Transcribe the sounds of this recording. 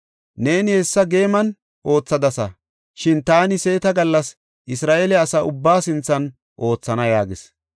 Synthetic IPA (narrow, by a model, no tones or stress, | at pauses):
ne̞ːnɪhɛsːɐɡe̞ːmɐn | ʔo̞ːt͡sːɐd̪ɐsɐ | ʃɪnt̪aːnɪse̞ːt̪ɐɡɐlːɐs | ʔɪsɾaːʔelɛɐsaʊbːaːsɪnt͡sːɐn | ʔo̞ːt͡sːɐnɐjaːɡɪs